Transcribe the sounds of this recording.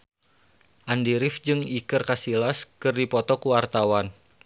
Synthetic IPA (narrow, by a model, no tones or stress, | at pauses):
ʔandiɾɪfd͡ʒɨŋikɨrkasilaskɨrdipɔt̪ɔkuwart̪awan